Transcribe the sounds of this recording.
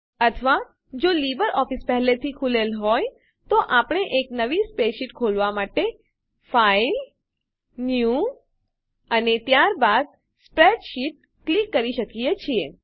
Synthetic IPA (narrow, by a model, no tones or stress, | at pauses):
ət̪ʰəʋa | d͡ʒolibəɾʔɔfispɛɦlet̪ʰikʰulelɦɔj | t̪oʔapɳ̃eʔeknəʋispeʃiʈkʰolʋamaʈe | fail | nju | ənet̪jaɾbad̪̚ | spɾeɖʃiʈ̚ | klikːəɾiʃəkiet͡ʃʰie